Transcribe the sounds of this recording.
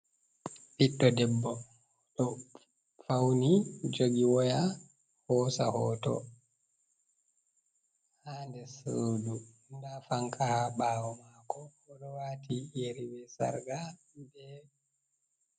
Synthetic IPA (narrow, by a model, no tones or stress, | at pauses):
ɓiɗːɔdɛbːɔ | ɗɔ | fawnid͡ʒoɡiwɔja | hɔsahɔːtɔ̰ | handɛsoːdu | ndafaŋkʰahaɓaːwɔmakɔːɗɔwaːtʰijeɾibɛsa̰ɾɡa | dɛ